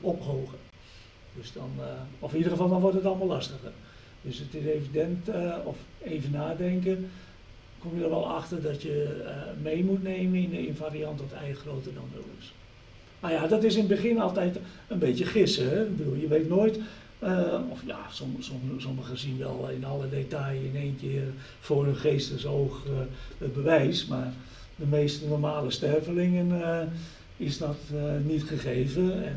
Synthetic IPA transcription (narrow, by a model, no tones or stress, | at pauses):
ɔphoːɣə | d̥øsdɔnɔfnidərχəfɑlˠʋɔlˠʋɔrtətɔlˠəmɔlˠastəɣə̰r | døsətɪsevidɛntɔf | eːvənaːdɛŋkə | komjədɔrʋɛlˠaxtərdɔtjəmejmutneːməɪnɪnfaːɾiɑntʋɔtɛ̰jəxroːtərdɔnʋo̰wɪ̰s | majadɔtɪsɪnbəxɪnɑlˠtɛjt | ənbetjəχɪsəɦɛbədulˠjəʋeːtnoːjt | əɔfja̰sɔsɔsɔməɣəsinʋɛ̰lˠɪ̰nɔlˠədetajɪneːnkɪːr | fʊːrønχeːstəsoːxət̚bəʋɛjsmaːr | dəmeːstənɔrmaːləstɛrvəlɪŋən | ɪsdɔtnitχəχeːvəɛn